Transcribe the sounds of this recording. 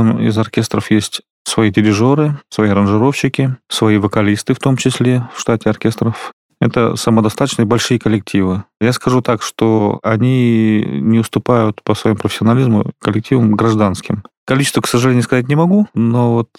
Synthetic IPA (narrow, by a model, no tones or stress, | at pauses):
mɪ̰zɐrkʲest̪ɾəfjesʲtʲ | svɐidʲɪɾʲɪʐo̞ɾɨsvɐjiɐɾənʐɨɾo̞fɕːɪkʲɪsvɐivəkɐlʲist̪ɨft̪o̞mt͡ɕɪsʲlʲe̞fʂt̪atʲɪɐrkʲe̞st̪ɾəf | ɛt̪ə̰səməd̪ɐst̪at̪ə̥t͡ɕnɨjəbɐlʲʂɨjəkəlʲːɪk̚tʲʰivɨjaskɐʐut̪akʂt̪oɐ̰nʲi | nʲɪʊst̪ʊpajʊt̪pəsvɐjimupɾəfʲɪsʲɪɐnɐlʲizmʊ̰kəlʲːɪk̚tʲivəmɡɾɐʐd̪anskʲɪmkɐlʲit͡ɕɪst̪vəksəʐɨlʲenɪjʊskɐzat̚ʲnʲɪmɐɡuno̞vo̞t̪